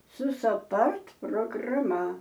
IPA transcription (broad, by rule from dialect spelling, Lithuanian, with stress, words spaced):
sʊ sɐˈpɐrt proːɡrɐˈmɐ